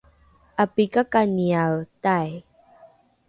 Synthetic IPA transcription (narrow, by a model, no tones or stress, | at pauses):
ʔapikakaniawtaj